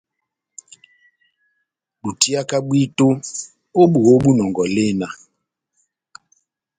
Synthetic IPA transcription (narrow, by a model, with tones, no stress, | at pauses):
ɗu˨ti˦a˦ka˦ɓwi˦to˦ | o˦ɓu˨o˦ɓu˦nɔ˨ŋɡɔ˨le˦˨na˨